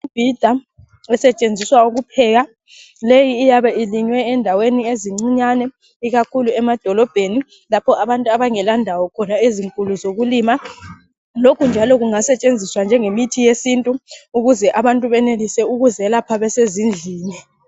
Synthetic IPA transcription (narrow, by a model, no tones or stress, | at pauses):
ib̥ʱid̥ʱa | ɛsɛt͡ʃʼend͡zʱiswauɣupʰɛɣa | lejiːjaβɛiliɲwɛːndʱawenieziŋ͡ǀiɲanɛ | iɣakʰuluɛmad̥ʱɔlɔb̥ʱeni | lapʰɔaβantʼuaβaŋɛlandʱawɔkʰɔnaeziŋkʼuluzoɣuliːma | lokʰund͡ʒʱalɔɣuŋasɛt͡ʃʼend͡zʱiswand͡ʒʱɛŋemitʰijesintʼuuɣuzɛʔaβantʼuβɛnelisɛuɣuzɛlapʰaβɛsezind͡ɮʱiːnɛ